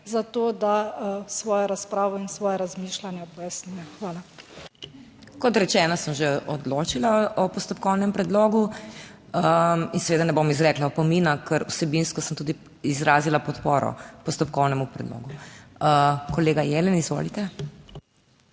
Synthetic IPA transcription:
zat̪oːd̪asʋɔːjɔɾaspɾaːʋɔinsʋɔːjɛɾazmiːʃlanjɛpɔjasnuːjɛxʋaːla | kɔt̪ɾɛt͡ʃɛːnasəmʒeʔɔd̪loːt͡ʃilaɔpɔst̪ɔp̚kɔwnɛmpɾɛd̪loːɡu | əinsɛʋeːd̪anɛbomizɾɛːklapɔmiːnakʰəɾusɛbinskɔsəmt̪uːd̪i | izɾaːzilapɔt̪poːɾɔ̰pɔst̪ɔpkɔwnɛmupɾɛd̪lo̰ːɡuəkɔleːɡajɛlɛnizʋo̰lit̪ɛ

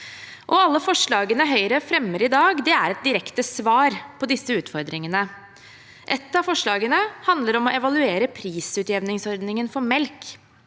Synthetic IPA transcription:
ʔɔɑlːəfɔʂɭɑːɡənəɦœʏɾəfɾɛmːəɾɪd̪ɑːɡd̪ɛæɾɛt̪̚d̪ɪɾɛkt̪əsʋɑːɾpʰɔd̪ɪsːəʉːt̪fɔɾd̪ɾɪŋənə | ʔɛt̪ːɑfɔʂɭɑːɡənəhɑnd̪ləɾɔmɔʔɛʋɑlʉeːɾəpʰɾiːsʉːt̪jɛʋnɪŋsɔɾd̪nɪŋənfɔɾmɛlk

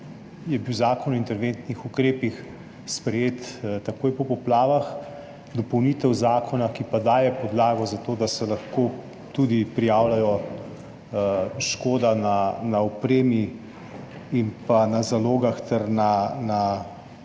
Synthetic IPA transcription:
jɛbiwzaːkɔnɔwint̪ɛɾʋeːnt̪nixukɾeːpix | spɾɛjeːt̪t̪ːakoːjpɔpɔplaːʋax | d̪ɔpɔwniːt̪ɛwzaːkʰɔnakipad̪aːjɛpɔd̪laːɡɔzat̪oːd̪asɛlaxko | t̪ud̪ipɾijaːwlajɔ | ʃkoːd̪ananaɔpɾeːmi | impanazaloːɡaxt̪ɛɾnana

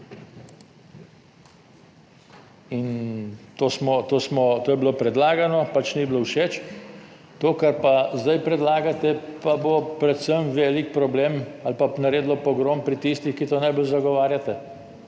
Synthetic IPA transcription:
int̪oːsmɔt̪oːsmɔt̪oːjɛbilopɾɛd̪laːɡanɔpat͡ʃniblowʃet͡ʃ | t̪oːkaɾpazd̪ajpɾɛd̪laːɡat̪ɛpabopɾɛt̪səmʋɛːlik̚pɾɔbleːmalpanaɾeːd̪lɔpɔɡɾompɾit̪ist̪ixkit̪onajbolzaɡɔʋaːɾjat̪ɛ

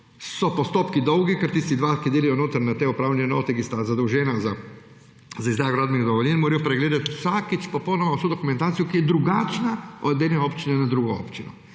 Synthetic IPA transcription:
sopost̪oːpkid̪owɡikaɾt̪iːst̪id̪ʋaːkid̪eːlijonot̪aɾnat̪eupɾaːwʎʲenot̪ikist̪azad̪uwʒenaza | zaizd̪ɾajɡɾad̪minid̪oʋoʎʲenmoɾijopɾeɡleːd̪at̪sakit͡ʃpoponomausud̪okument̪aːt̪ijukijed̪ɾuɡaːt͡ʃnaoed̪neopt͡ʃinenad̪ɾuɡoo̰pt͡ʃino

